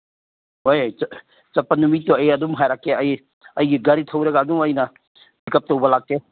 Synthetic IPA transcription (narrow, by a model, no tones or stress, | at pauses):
hojj | t͡ʃɐpːɐnumitːuɐjɐdumɦajɾakːeɐj | ɐjɡiɡɐɾitʰɐwɾɐɡɐːduŋɐjnɐ | bikɐp̚tɐwbɐlak̚te